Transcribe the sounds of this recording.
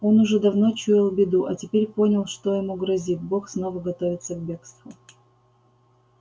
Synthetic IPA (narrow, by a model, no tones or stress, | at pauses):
o̞nʊʐɛd̪ɐvno̞t͡ɕujɪlˠbʲɪd̪uʔɐtʲɪpʲeɾʲponʲɪlˠʂt̪o̞jɪmuɡɾɐzʲit̪̚boxsnovəɡɐt̪ovʲɪt̪səvbʲe̞kst̪vʊ